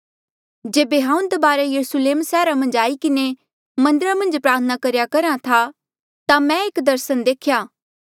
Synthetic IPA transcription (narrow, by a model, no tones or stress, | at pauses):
d͡ʒeːbeɦãːũnd̪ɐbaːɾejɐɾusleːmsɛːɾamɐ̃nd͡ʒaːikɪne | mɐ̃nd̪ɪɾamɐ̃nd͡ʒpɾaːɾt̪ʰənakɐɾjakɐɾãt̪ʰa | t̪amɛ̃eːkd̪ɐɾsənd̪eːkʰjaː